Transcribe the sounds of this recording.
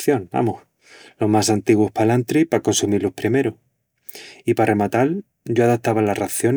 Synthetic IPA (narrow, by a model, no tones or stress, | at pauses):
θjo̞ŋa̰moh | lo̞ɦmasant̪iɣwo̞hpalant̪ɾipako̞nsumilohpɾime̞ɾo | ipare̞mat̪al | ɟ͡ʝoaðat̪aβalaraθjo̞n